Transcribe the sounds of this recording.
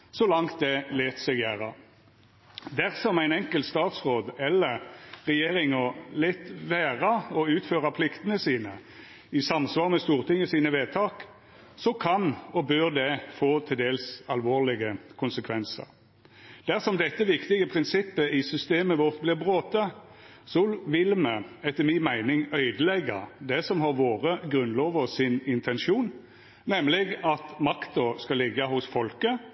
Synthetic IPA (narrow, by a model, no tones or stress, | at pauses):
sɔlɑŋt̪̚d̪ɛleːt̪sɛɡjæːʁɑ | d̪æʁsɔmæɪnɛŋkəlt̪st̪ɑːt̪sʁoːd̪ɛlːəʁʁɛjeːʁɪŋɔlɛt̪ʋæːʁɑɔʉːt̪føːʁɑpʰlɪkt̪ənəsiːnə | ɪsɑmsʋɑːʁmɛst̪uːʁt̪ʰɪŋːəsiːnəʋeːt̪ʰɑːk | sɔkʰɑnɔbøʁd̪ɛfoːt̪ʰɪld̪eːlsɑlʋoːʁlɪɡəkʰʊnsəkʰʋɛnsə̰ɾ | d̪̥æʁsɔmd̪ɛt̪ːəʋɪkt̪ɪɡəpʰʁɪnsɪpːəɪsʏst̪eːməʋɔʁt̪̚blɪʁbʁoːt̪ə | sɔʋɪlməɛt̪ːəmɪːmæɪnɪŋœʏd̪əlɛɡːɑ̰d̪ɛsɔmhɑʁʋoːʁəɡɾʉnloːʋəʁsɪnɪnt̪ʰɛnʃuːn | nɛmːlɪɡɑt̪mɑkt̪ɔskɑlɪɡːəhʊsfɔlkə